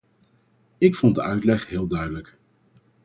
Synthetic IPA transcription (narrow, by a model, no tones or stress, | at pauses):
ɪkfɔn̚dəʔœɥtlɛχɦɪːlˠdœɥdələk